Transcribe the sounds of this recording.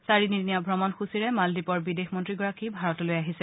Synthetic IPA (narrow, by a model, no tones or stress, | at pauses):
saɹininijabʱɹɔmɔnxusiɹɛmaldipɔɹbidexmɔntɹiɡɔɹakibʱaɹɔtɔlojaɦisɛ